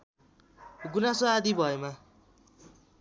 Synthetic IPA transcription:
ɡunasoad̪ibʱʌema

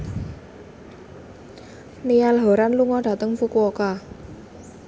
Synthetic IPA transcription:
nijalɦo̤ɾanluŋɔɖ̥ä̤t̪əŋfukuɔka

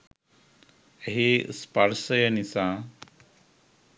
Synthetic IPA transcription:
əɦispaɾsəjənisa

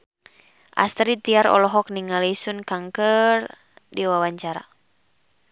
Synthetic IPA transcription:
ʔa̰st̪ɾit̪iaɾɔ̰lɔɦɔk̚niŋalisunkaŋkər | diwawaɲt͡ʃaɾa̰

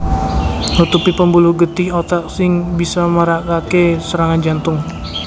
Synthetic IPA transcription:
hut̪upipəmbuluhɡət̪ɪhot̪ak̚sɪŋbisaməɾakakesəɾaŋand͡ʒant̪ʊŋ

